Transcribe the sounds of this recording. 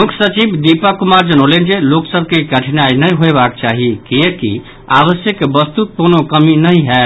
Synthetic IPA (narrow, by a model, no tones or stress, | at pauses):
mukʰsət͡ʃibd̪ipakumaɾd͡ʒənolen̆d͡ʒeloksəb̚ʱkeɡəʈʰnajnəjɦoebakt͡ʃaɦikiekḭ | aβəsjəkːebəst̪ut̪̚konokəminəɦĩɦɛ